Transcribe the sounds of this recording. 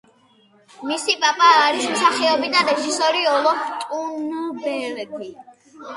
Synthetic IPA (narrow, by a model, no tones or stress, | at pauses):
misipʼapʼaːɾismsaχɛɔbid̪aɾɛʒisɔɾiɔlˠɔt̪ʼunubɛɾɡi